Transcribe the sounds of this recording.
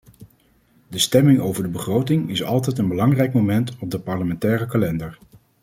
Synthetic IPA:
dəstɛmɪŋowvəɹdəbəχrowtɪŋɪsɑ̰lˠtɛjtənbəlɑŋrɛjkmomɛntɔb̚dəpɑɹləmɛntɛːrəkalɛndəɹ

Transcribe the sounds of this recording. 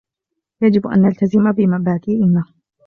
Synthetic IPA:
jad͡ʒɪbʔa̰nːalt̪azɪmabɪmabaːd̪iːʔɪnːah

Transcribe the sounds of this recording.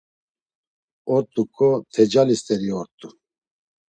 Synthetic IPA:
ɔɾt̪ʼukʰʼɔt̪ʰɛd͡ʒalist̪ɛɾiɔɾt̪ʼu

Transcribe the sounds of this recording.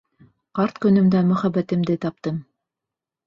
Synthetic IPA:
qɑɾt̪kɵ̆nɵ̆md̪æmɵ̆χæbæt̪ɘ̆md̪ɘt̪ɑp̚t̪ɤm

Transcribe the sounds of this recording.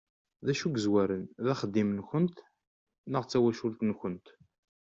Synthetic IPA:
ðæʃuɡəzwæɾənðæχəd̪ːimnçənt̪ | nəʁt͡sːæwæʃʊlt̪nçənt̪

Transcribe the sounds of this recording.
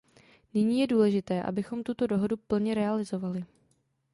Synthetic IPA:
nɪɲiːjɛduːlɛʒɪt̪ɛːʔa̰bɪxo̞mt̪ut̪o̞do̞ɦo̞dupl̩ɲɛɾɛalɪzo̞valɪ

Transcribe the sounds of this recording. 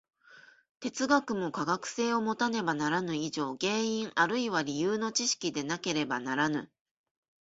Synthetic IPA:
t̪e̞t͡sɨɡakɯ̟mo̞kaɡakɯ̟̥se̞ːo̞mo̞t̪ane̞banaɾanɯ̟iʑo̞ːɡe̞ːĩŋaɾɯ̟iβaɾʲijɯːno̞t͡ɕiɕi̥kʲid̪e̞nake̞ɾe̞banaɾanɯ̟

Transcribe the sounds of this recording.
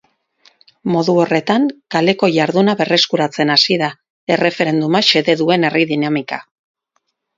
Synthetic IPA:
mo̞ðuo̞re̞t̪aŋkale̞ko̞ʝaɾðunaβe̞re̞skuɾat͡se̞nasiða | e̞re̞fe̞ɾe̞nd̪umaʃe̞ðe̞ðue̞ne̞riðinamika

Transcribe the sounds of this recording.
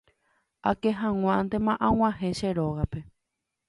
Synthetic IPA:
akeɦãŋ̃ʷãnt̪emãʔãw̃ʷãɦẽʃeɾoɣape

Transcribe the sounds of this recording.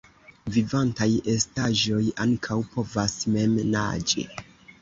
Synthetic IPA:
vivantaje̞staʒo̞jaŋkʰawpo̞vasme̞mna̰d͡ʒḭ

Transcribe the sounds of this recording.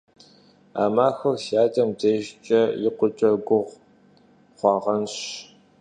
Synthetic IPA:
a̰ːmaːxɐrsaːdɐmdeʒt͡ʃʼɐjɪqʷʊt͡ʃʼɐɡʷʊʁ | χʷɑːʁɐnɕ

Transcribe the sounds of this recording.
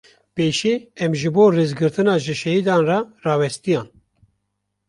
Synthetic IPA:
peːʃeːɛmʒɨboːreːzɡɨɾt̪ʰɨnɑːʒɨʃɛhid̪ɑːnrɑrɑːwɛst̪ijɑːn

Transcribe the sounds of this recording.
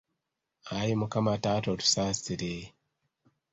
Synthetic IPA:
ajimukamatatotu̥sasiɾe

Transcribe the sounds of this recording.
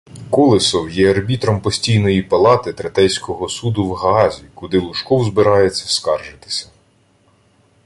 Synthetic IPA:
kɔlˠɪsɔwjɛɐrbʲit̪ɾɔmpɔsʲtʲijnɔjipɐlˠɑt̪ɪt̪ɾɐt̪ɛjsʲkɔɦɔsud̪ʊwɦɐɑzʲikʊd̪ɪlˠʊʃkɔwzbɪɾɑjet͡sʲːɐskɑrʒɪt̪ɪ̥sʲɐ̥

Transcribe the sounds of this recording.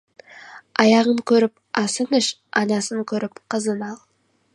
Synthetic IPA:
ɑjɑʁəŋkʲʰɵɾɪp | ɑsənɪʃ | ɑnɑsəŋkʲʰɵɾɪpqʰəzənɑlˠ

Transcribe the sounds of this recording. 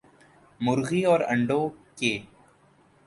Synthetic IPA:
mʊɾɣiɔːɾɐ̰̃ɳɖoːkeː

